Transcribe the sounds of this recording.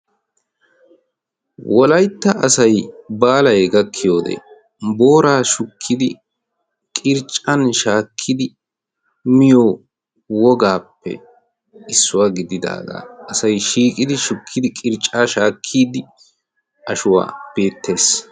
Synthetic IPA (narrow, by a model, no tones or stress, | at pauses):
wʔɔlɐjt̪ːɐɐsɐjbaːlɐjɡɐkʰːɪjoːd̪ɛ̰ | bo̞ːɾaːʃʊkʰːɪd̪ɪ | kʼɪɾt͡ʃʼɐnʃaːkʰːɪd̪ɪ | mɪjo | wɔɡaːpːɛ̰ | ɪsːʊwaːɡɪd̪ɪd̪a̰ːɡa̰ːɐsɐjʃiːkʼɪd̪ɪʃʊkʰːɪd̪ɪkʼɪɾt͡ʃʼːaːʃaːkʰːiːd̪ɪ | ɐʃʊwa̰ːb̥e̞ːt̪ʰːe̞ːs